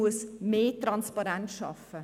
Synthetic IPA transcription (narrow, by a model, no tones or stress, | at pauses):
uəsmeːtɾɑnspɑɾɛntʃɑ̰fə